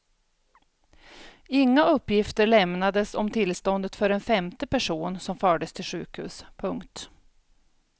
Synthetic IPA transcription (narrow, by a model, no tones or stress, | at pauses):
ɪŋːaɵpːjɪft̪əɭɛmnad̪əsɔ̰mt̪ʰɪlst̪ɔnd̪ət̪fœɾɛnfɛmt̪əpæʂuːnsɔmfœːɖəst̪ʰɪlɧʉ̟̰ːkhʉ̟̰ːspʰɵŋkt̪